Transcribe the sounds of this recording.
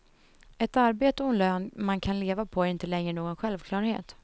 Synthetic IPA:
ɛt̪aɾbeːt̪əɔnløːnmankʰanleːvapʰɔæɾɪnt̪əlɛŋɾəɳoːɡɔnɧɛlvkʰlɑːɾhḛːt̪

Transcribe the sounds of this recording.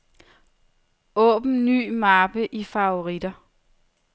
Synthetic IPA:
ɔ̰̽ːb̥n̩ny̰ːmɑb̥əʔifɑ̈oʁid̥ɐ

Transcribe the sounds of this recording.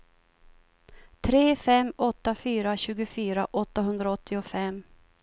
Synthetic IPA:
t̪ʰɾeːfɛmːɔt̪ːafyːɾaɕʉ̟ːɡʊfyːɾaʔɔt̪ːaɦɵnd̪ɾaɔt̪ːɪɔfɛmː

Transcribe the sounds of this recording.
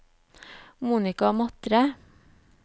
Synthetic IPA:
muːnɪkɑmɑt̪ɾə

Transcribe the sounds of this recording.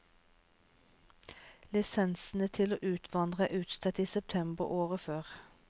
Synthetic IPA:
lɪsɛnsn̩ət̪ʰɪloːʔʉːt̪ʰʋɑnd̪ʁəʔʉːt̪st̪ʰɛt̪iːsɛp̚t̪ʰɛmbəʁʔoːʁəføːʁ

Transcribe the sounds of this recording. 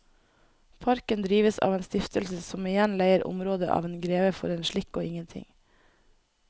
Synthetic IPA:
pʰɑɾkənd̪ɾiːʋəsɑ̰ːʋeːnst̪ɪft̪əlsəsɔmɪjɛnlæɪəɾʔʊ̰mɾoːd̪əʔɑ̰ːʋeːnɡɾeːʋəfɔ̰ɾeːnʃɭɪkːoːɪŋənt̪ʰɪ̰ŋ

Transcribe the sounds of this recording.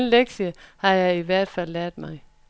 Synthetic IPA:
nleɡ̥ɕəhɑ̈jɑ̈ɪiʋæɐ̰d̥fæl̰ːæɐ̰d̥mɑ̈ɪ

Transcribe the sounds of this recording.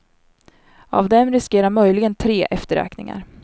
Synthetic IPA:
a̰vd̪ɛmɾɪskeːɾaɾmœjlɪɡənt̪ʰɾeːʔɛft̪əɾø̰ːknɪ̰ŋa̰ɾ

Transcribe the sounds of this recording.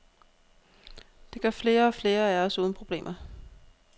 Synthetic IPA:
d̥e̝ɡ̥ɶɐ̰fle̝ːɐɒ̽fle̝ːɐææɐsuːðˠn̩pʰʁo̝b̥le̝̰ːmʔɐ

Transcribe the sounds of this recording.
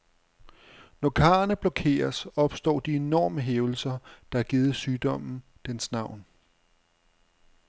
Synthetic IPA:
nɒkʰɑ̈ːɐnəb̥lɒkʰe̝̰ːɐsɒ̽b̥sd̥ɒ̰ːd̥ie̝nɒ̰ːməɦeːʊl̩sɐd̥ɑ̈æɐɡ̥iːð̞̩ˠsyːd̥ɒ̽m̰n̩ | d̥ensnɑ̈ʊ̰n

